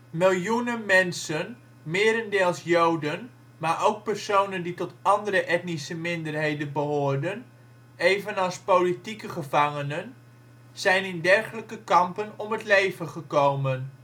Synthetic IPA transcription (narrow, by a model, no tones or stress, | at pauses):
mɪlˠjunənmɛnsən | mɪːɾəndɪːlˠsjowdən | maːɹʔowk̚pərsownənditɔtɑndəɾəʔɛtnisəmɪndərɦejdənbəɦʊːɹdən | ejvənɑlˠspowlitikəχəvɑŋənən | z̥ɛjnɪndɛrχələkəkɑmpənɔmɦətlejvəχəkowmən